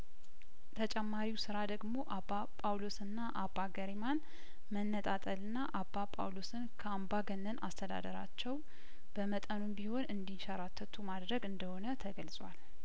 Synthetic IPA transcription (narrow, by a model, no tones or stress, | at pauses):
t̪ʰət͡ʃʼɛmːaɾiwsɨɾad̪əɡmo̞ʔabːapʼawlosɨnːaʔabːaɡəɾiman | mənːət̪ʼat̪ʼəlɨnːaʔabːapʼa̰wlosɨnkʰəambaɡənːənʔa̰st̪ʰəd̪a̰d̪əɾa̰t͡ʃːɛw | b̥əmət̪ʼənunbiho̞nɨnd̪iʃaɾat̪ʰːət̪ʰumad̪ɾəɡɨnd̪əho̞nət̪ʰəɡəlsʼwal